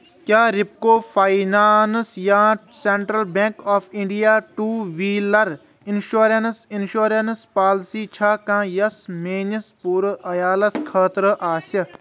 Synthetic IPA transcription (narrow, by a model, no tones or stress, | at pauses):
kjaːɾip̚koːfʰainaːnsjãːseɳʈɾɐlbẽːŋkaːfĩɳɖijaːʈuːʋiːlɐɾ | inʃuːɾensinʃuːɾɐnspaːlsiːt͡ʃʰaːkãːjɐsmeːnɐspuːɾɐjaːlɐskʰəːt̪ɾəʔaːsɐ